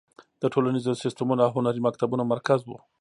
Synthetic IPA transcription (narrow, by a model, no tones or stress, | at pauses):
d̪̥əʈʰolanizosɪst̪amunaɦʊnaɾimakt̪abunamaɾkazwṵ